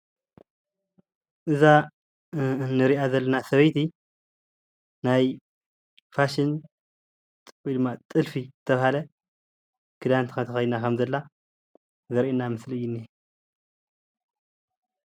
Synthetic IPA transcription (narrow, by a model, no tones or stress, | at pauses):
ʔɨza | nɨɾiʔazɐlːɐnasɐβɐjt̪i | naj | faʃɪn | t̪ʼɨbʼijd̪ɨmːat̪ʼɨlfizɨt̪ʰːɐβahalɐ | kʰɨd̪ant̪ʰkɐt̪ʰɐxɐj̪nakʰɐmzɐlːa | zɐɾʔinamɨslɨjːɪnːi